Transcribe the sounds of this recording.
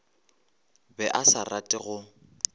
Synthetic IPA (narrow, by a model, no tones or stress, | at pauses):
bɛʔasaratʼɪɣʊ